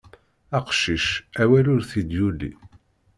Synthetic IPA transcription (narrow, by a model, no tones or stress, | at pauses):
æqʃiʃæwælʊɾθid̪julḭ